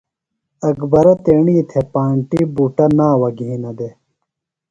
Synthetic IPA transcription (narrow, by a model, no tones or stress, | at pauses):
ɐkbɐɾɐt̪eːɳiːt̪ʰepaːɳʈibuːʈɐnaːwɐɡʱĩːnɐd̪e